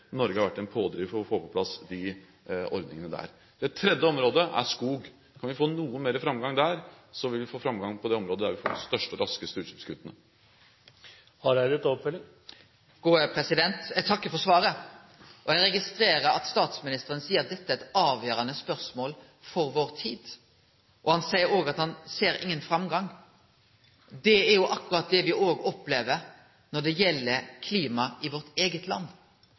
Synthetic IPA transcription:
nɔɾɡəhɑɾʋæʈːɛnpʰoːd̪ɾɪːʋɔfoːpʰɔpʰlɑsd̪ɪ | ɔ̰ɾd̪nɪ̰ŋənəd̪æ̰ɾ | d̪̥ɛt̪ʰːɾɛd̪jəɔmɾoːd̪əʔæ̰ʂkuːɡ | kʰɑnʋɪfoːnuːənmeːɾəfɾɑmɡɑŋd̪æɾ | sɔʋɪlʋɪfoːfɾɑmɡɑŋpʰɔd̪ɛɔmɾoːd̪əd̪æɾʋɪfo̰ːd̪ɪst̪œʂʈəɔɾɑskəst̪əʉːʂɛpskʰʉt̪ːənə | hɑɾæɪd̪ɪt̪ːɔpfœlɪŋ | ɡ̥uːəpʰɾɛsɪd̪ɛnt̪ɛɡt̪ʰɑkːəfɔsʋɑːɾə | ʔɔjɛɡɾɛɡɪst̪ɾeːɾəɾɑ̰t̪st̪ɑːt̪smɪnɪst̪əɾənəsiːəɾɑt̪̚d̪ɛt̪ːəæɾɛt̪ɑːʋjøːɾɑnəspœʁsmoːl | fɔɾʋoːʁt̪ʰiːd̪̥ | ʔɔhɑnsæɪəɾoːɡɑt̪hɑnseːɾɪ̰ŋːənfɾɑmɡɑŋ | d̪ɛæɾjʊʔɑkːʉɾɑt̪̚d̪ɛʋɪʔoːɡɔpleːʋəɾ | nɔɖ̪ɛjɛlːəkʰliːmɑɪʋɔɾt̪eːɡət̪ʰlɑ̰nː

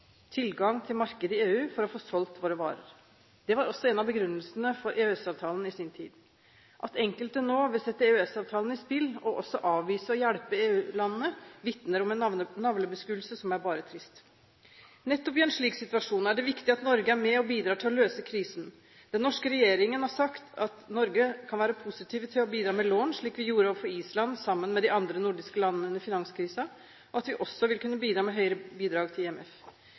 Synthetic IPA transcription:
t̪ʰɪlɡɑŋt̪ʰɪlmɑɾkəd̪əɪeːʉːfɔɾɔfoːsɔlt̪ʋoːɾəʋɑ̰ːɾə̰ɾ | d̪̥ɛʋɑɾɔsːɔɛnɑbəɡɾʉnːəlsənəfɔɾʔeːʉɛsɑːʋt̪ʰɑːlənɪsɪːnt̪ʰḭːd̪ | ʔɑt̪ɛŋkəlt̪ənoːʋɪlsɛt̪ːəeːʉɛsɑːʋt̪ʰɑːlən̩ɪspɪlːɔʔɔsːɔʔɑːʋʋiːsəɔjæɽpəeːʉːlɑnənːəʋɪt̪nəɾɔmɛnnɑʋləbəskʉːlsəsɔmæɾbɑːɾət̪ʰɾɪst̪ | nɛt̪ːɔpɪɛnʂɭiːksɪt̪ʉɑʂuːnæɖɛʋɪkt̪ɪɑt̪nɔɾɡəæɾmɛɔbiːd̪ɾɑːʈʰɪlɔløːsəkʰɾiːsn | d̪̥ɛnːɔʂkəɾɛjeːɾɪŋənhɑʂɑkt̪ɑt̪nɔɾɡəkʰɑnʋæːɾəpʰʊsɪt̪ʰiːʋət̪ʰɪlɔbiːd̪ɾɑːmɛloːnʂɭiːkʋɪjuːɾəoːʋəfɔɾiːslɑnsɑmːənmɛd̪ɪɑnd̪ɾənʊɖɪskəlɑnːənənəfɪnɑnskʰɾiːsɑ | ɔɑt̪ʋɪʔɔsːɔʋɪlkʉnːəbiːd̪ɾɑːmɛɦœʏəɾəbiːd̪ɾɑːɡt̪ʰɪlːɛmɛf

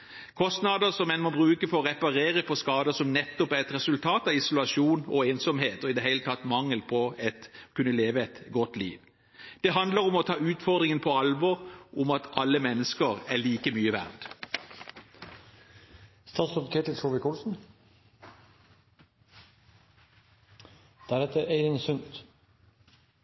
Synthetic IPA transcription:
kʰɔst̪nɑd̪əsɔmɛnmɔbʁʉːkəfɔʁɛpɑʁeːʁəpʰɔskɑːd̪əsɔmnɛt̪ːɔpæʁɛt̪ɾɛsʉlt̪ʰɑːt̪ɑʋɪsʊlɑʃuːnɔeːnsɔmheːt̪ɔɪd̪ɛɦæɪlət̪ʰɑt̪ːmɑŋːəlpʰɔɛt̪kʰʉnːəleːʋəɛt̪ɡɔt̪ːlḭːʋ | d̪̥ɛɦɑnd̪ləɾʊmɔt̪ʰɑːʉːt̪fɔʁd̪ʁɪŋənpʰɔɑlʋɔʁʔʊmɑt̪ɑlːəmɛnːəskəʁæliːkəmyːəʋæ̰ʁd̪ | st̪ɑːt̪sɔpk̪ʰeːt̪ət͡ʃʰɔʋɪkuːlsn̩ | d̪̥æɾɛt̪ːəeɪɾɪŋsʉnt̪

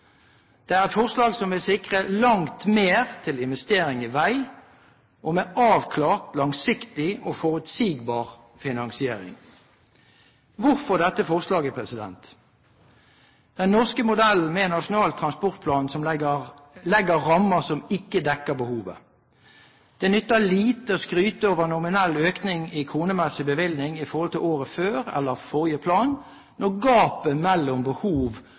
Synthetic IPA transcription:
d̪̥ɛæʁɛt̪fɔʁslɑːɡsɔmʋɪlsɪkʁəlɑŋt̪meːʁt̪ʰɪlɪnʋɛst̪eːʁɪŋɪʋæɪ | ʔɔmɛɑːʋkʰlɑːʁt̪lɑŋsɪkt̪ɪɔfɔʁʉt̪siːɡbɑːʁ | fɪnɑŋsɪeːʁɪ̰ŋ | ʋʊʁfɔʁd̪ɛt̪ːəfɔʁslɑːɡəpʰʁɛsɪd̪ɛ̰nt̪ | d̪̥ɛnːɔʁskəmʊd̪ɛl̩mɛnɑʂʊnɑːlt̪ʰʁɑnspɔʁt̪̚pʰlɑːnsɔm | lɛɡəʁɑmːəsɔmɪkːəd̪ɛkːəbəhuːʋə̰ | d̪̥ɛnʏt̪ːəliːt̪əoskʁyːt̪əoːʋəʁnʊmɪnɛlːøːknɪŋɪkʰuːnəmɛsəbəʋɪlnɪŋɪfɔʁhɔlt̪ʰɪloːʁəføːɾɛ̰lːəʁfɔʁjəpʰlɑːn | nɔɡɑːpəmɛlːʊmbəhuːʋ

